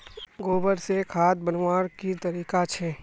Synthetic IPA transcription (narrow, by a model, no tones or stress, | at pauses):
ɡoːbəɾsekʰaːd̪̚bənwaːɾkit̪ɐɾiːkat͡ʃʰɛː